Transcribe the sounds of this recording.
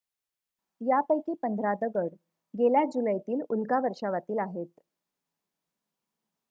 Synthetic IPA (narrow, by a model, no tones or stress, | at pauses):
japəjkiːpənd̪ʱɾad̪əɡəɽ | ɡeljad͡ʑuləjt̪iːlulkaʋəɾʂaʋat̪iːlaɦet̪